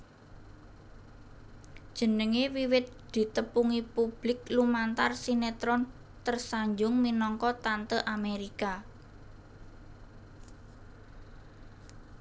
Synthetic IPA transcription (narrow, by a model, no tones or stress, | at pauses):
d̥ʒ̥ə̤nəŋewiwɪt̪̚d̪̥i̤t̪əpuŋipub̥lɪklumant̪arsinet̪ɾɔn | t̪ərsaɲd͡ʒʊŋminɔŋkɔt̪ant̪əʔameɾika